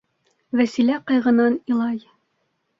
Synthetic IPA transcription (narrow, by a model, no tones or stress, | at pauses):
væsilæqɑjʁɤ̆nɑnilˠɑj